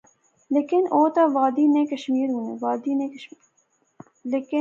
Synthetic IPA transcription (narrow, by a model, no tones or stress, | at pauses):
leːkɪnoːt̪ɐʋaːd̪iːnẽkɐʃmiːɾɦũːnḛʋaːd̪inẽk | leːkɪ